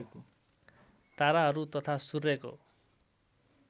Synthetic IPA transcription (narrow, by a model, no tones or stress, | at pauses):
t̪aɾaɦʌɾut̪ʌt̪ʰasurːeko̰